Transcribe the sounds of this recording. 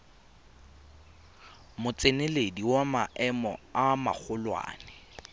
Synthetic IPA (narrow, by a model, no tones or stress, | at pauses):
mʊt͡sʼenɪlediwamaʔɛmɔ̰ama̰k͡xʰʊlwa̰ːnɛ